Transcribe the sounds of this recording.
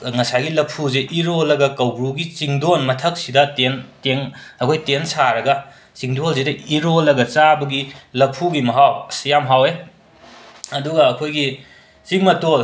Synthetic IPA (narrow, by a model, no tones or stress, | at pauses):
ŋɐsajɡilɐpʰuzeʔiɾolɐɡɐkɐwɡɾuɡit͡ʃiŋdonmɐtʰɐk̚sidɐtenteŋɐkʰojtensaɾɐɡɐ | t͡ʃiŋdols̬idɐiɾolːɐɡɐt͡sabɐɡilɐpʰuɡimɐɦawsijamɦawe | ɐduɡɐɐkʰojɡi | t͡ʃiŋmɐtol